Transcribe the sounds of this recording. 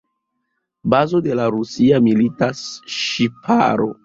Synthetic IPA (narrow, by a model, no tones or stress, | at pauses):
bazo̞de̞laɾusiamilitasʃipʰa̰ɾo̰